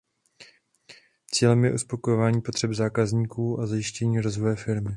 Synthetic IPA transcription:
t͡siːlɛmjɛʔuspo̞kojovaːɲiːpo̞t̪r̥ɛbzaːkazɲiːkuːʔazajɪʃcɛɲiːɾo̞zvo̞jɛfɪɾmɪ

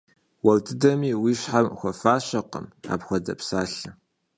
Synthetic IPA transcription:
wɐwdɨdɐmiːwiːɕħamxʷɔfaːɕɐqə̰ma̰ːbxʷɔdɐ̰psaːɬɨ

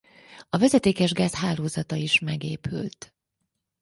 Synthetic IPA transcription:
ɒvɛzɛt̪eːkɛʒɡaːzɦaːloːzɒt̪ɒiʃmɛɡeːpy̰lt̪

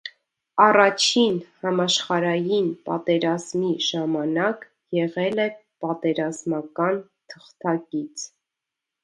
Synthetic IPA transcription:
ɑrɑt͡ʃʰinhɑmɑʃχɑɾɑjinpɑ̰t̪ɛɾɑzmiʒɑmɑnɑk | jɛʁɛlɛpɑt̪ɛɾɑzmɑkɑn | t̪ʰə̥χt̪ɑkit͡sʰ

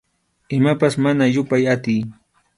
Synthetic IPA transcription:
ɪmapasmanajʊpajat̪ɪj

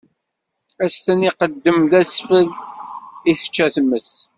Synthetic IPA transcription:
æst̪æniqəd̪ːəmðæsfəð | iθə̥t͡ʃːæθməs

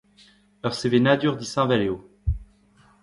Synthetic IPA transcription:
lœʁsevenad̪yʁd̪isɛ̃valeo

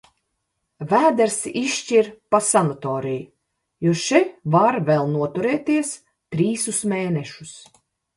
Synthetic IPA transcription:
væːd̪ɛɾsiʃt͡ʃiɾpasanɔt̪ɔːɾij | juʃɛvaɾvɛlˠnuɔt̪uɾɛːt̪iɛs | t̪ɾiːsusmʲeːnɛʃus

